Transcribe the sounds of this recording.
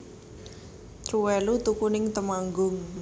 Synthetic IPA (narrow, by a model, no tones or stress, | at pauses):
t̪ɾuwɛlut̪ukunɪŋt̪əmaŋɡʊŋ